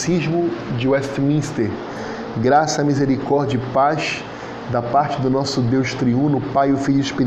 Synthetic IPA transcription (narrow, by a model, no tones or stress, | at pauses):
sizmʊd͡ʒɪwɛst̪mĩst̪eɾ | ɡɾasɐːmizeɾikɔɾd͡ʒɐpaʃ | d̪ɐpaɾt͡ʃɪd̪ʊnɔsʊd̪ewʃt̪ɾiũnʊpajʊfiʎʊɪspiɾ